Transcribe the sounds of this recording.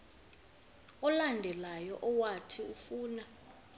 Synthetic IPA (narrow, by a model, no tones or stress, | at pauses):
ɔlandʱɛlajɔʔɔwatʰiufuːna